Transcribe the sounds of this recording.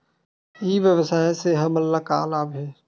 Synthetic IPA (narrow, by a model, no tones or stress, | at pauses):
iːʋjəʋəsaːeseɦɐmɐlːaːka̰ːlaːbɦɛː